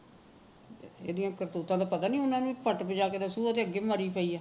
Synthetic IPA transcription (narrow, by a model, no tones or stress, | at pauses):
ḛːd̪ijãːkəɾt̪uːt̪ãːd̪aːpət̪aːnĩːʊnãːnũipəʈbəd͡ʒaːkeːd̪aːsuːət̪eːəɡːeːməɾiːpəːiːaː